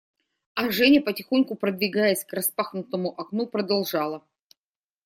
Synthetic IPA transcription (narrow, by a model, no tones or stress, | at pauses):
ɐʐɛnʲɪpətʲɪxonʲkʊpɾəd̪vʲɪɡajɪsʲkrɐspaxnʊt̪əmʊʔɐknupɾəd̪ɐlˠʐɑlˠə